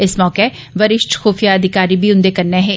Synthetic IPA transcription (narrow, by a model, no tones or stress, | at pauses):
ɪsmɔːkeː | ʋəɾɪʃʈxoːfijaːəd̪ʱɪkaːɾiːbiːʊ̃nd̪eːkəɾneːɦɛː